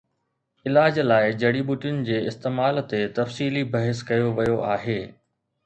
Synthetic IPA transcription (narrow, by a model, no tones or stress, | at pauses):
ɪlaːd͡ʑlaːɪd͡ʑɐɽiɓʊʈijʊnɪ̆d͡ʑeːɪst̪eːmaːlt̪et̪ɐfsiːlibɐɦɪskɐjoʋɐjoʔaːɦeː